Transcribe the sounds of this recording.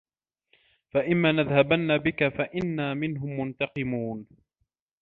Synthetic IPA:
faʔɪmːaːnaðhabanːabɪkafaʔɪnːaːmɪnɦʊmːʊnt̪ɑqɨmuːn

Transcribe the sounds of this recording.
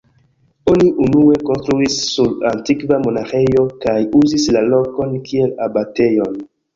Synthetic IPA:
oniʔunue̞konstɾuisːula̰ntikvamonaejo̞kajuzislaloko̞nkielabatejon

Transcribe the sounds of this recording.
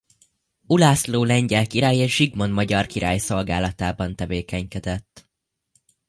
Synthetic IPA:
ulaːsloːlɛɲɟɛlkiɾaːjeʒiɡmonmɒɟɒrkiɾʔa̰ːjso̞lɡaːlɒt̪aːbɒnt̪ɛveːkɛɲkɛd̪ɛt̪ː

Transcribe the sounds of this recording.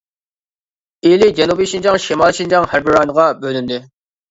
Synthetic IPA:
elɪd͡ʒɛnubiʃind͡ʒɑŋʃemɑlˠʃind͡ʒɑŋhæɾbyɾɑnəʁɑbølynd̪ɪ

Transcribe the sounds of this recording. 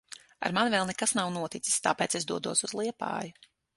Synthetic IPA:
a̰ɾmanvɛːlˠnɛkasnawnuɔt̪it̪si̥st̪aːpeːt̪sesd̪uɔd̪uɔsuzlˠiɛpa̰ːju

